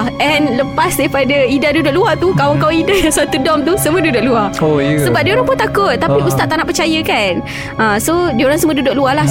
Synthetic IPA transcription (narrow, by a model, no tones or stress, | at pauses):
ʔɛnləpasdaipadaidadudʊʔ̚luat̪ukawəŋkawidasat̪udɔmt̪̬usəmũədudʊʔ̚luaojsəbap̚dioɾaŋpʊnt̪akʊt̪̚ːapiust̪aʔt̪aʔnaʔpət͡ʃajəkan | əsodoɾaŋsəmũədudʊʔ̚luahla